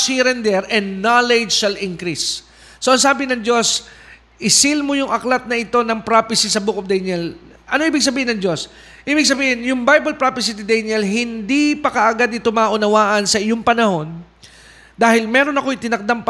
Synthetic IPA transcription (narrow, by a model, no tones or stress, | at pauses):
siɾɛnd̪ɛɾʔɛnnalɛd͡ʒʃalʔɪŋkɾisː | oʔɐŋs̬aːbɪnɐŋd͡ʒo̞s | ʔɪsilmojʊŋʔɐklat̪̚nɐʔɪt̪o̞nɐŋpɾapɪsisɐbukof̚d̪ɛjnɛl | ʔɐnoʔibɪɡ̚s̬ɐbiːhɪnɐŋd͡ʒo̞s | ʔibɪɡ̚s̬ɐbiːhɪnjʊŋbajbɐlpɹapɪsit̪ɪd̪ɛjnɛlɦɪnd̪ipɐkɐʔɐɡad̪ɪt̪omaːʔʊnɐwaːʔɐnsɐʔɪjo̞ŋpɐnɐho̞n | d̪aːhɪlmɛːɾo̞nɐko̞jt̪ɪnɐk̚d̪amp